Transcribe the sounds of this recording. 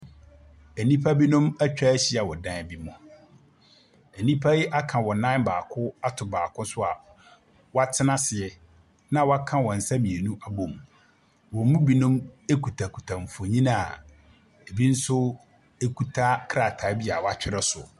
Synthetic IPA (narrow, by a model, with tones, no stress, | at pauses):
ɛ˨nĩ˦pʰa˦bi˦nʊ̃˦mæ˦t͡ɕᶣa˦ɕi˦a˨wɔ˨dã˦˨bi˦mʊ̃˨ | ɛ˨nĩ˦pʰa˦ji˦ʔa˦kʰã˨wɔ˨nã˦n˦baː˨kʰʊ˦a˦tʰʊ˨baː˨kʰʊ̃˦sʊ˦a˨ | wa˦˨tʰɪ˦nã˦sɪ˨ɛ˨ | nã˦wɔ˦a˦kʰã˦˨wɔ̃˨n̩˨sã˦mĩ˨e˨nũ˦ʔa˨bõ˨m | wɔ˨˦mũ˦bi˦nʊ̃˦me˦kʰu˨tʰa˨kʰu˨tʰa˨m̩˨fo˨ɲĩ˦na˨a˨ | e˨bi˦n̩˦sʊ˦ | e˦kʰu˨tʰa˦kʰɾa˨tʰa˨˦bi˦a˨wa˦˨t͡ɕᶣɪ˦ɾɛ˦sʊ̰˨